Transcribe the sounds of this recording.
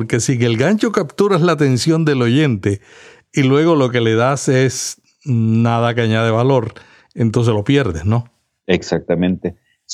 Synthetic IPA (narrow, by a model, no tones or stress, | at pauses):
pɾke̞siŋe̞lɡaɲt͡ʃokapt̪uɾaslat̪e̞nsjo̞nd̪e̞lo̞ʝe̞nt̪e | ilwe̞ɣo̞lo̞ke̞le̞ðases | naðakaɲaðeβalo̞ɾ | e̞nt̪o̞ns̬elo̞pjeɾðesno̞ | eksak̚t̪amẽnt̪e | s